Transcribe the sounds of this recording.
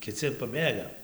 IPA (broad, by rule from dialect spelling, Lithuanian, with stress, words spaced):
kʲɪˈt͡sʲɪ pɐˈbʲeːɡɐ